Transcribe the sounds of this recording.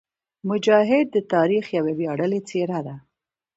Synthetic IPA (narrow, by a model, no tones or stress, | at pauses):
mʊd͡ʒɑɦɪd̪̚ːət̪ɑɾixjawebjɑɽəlet͡seɾad̪a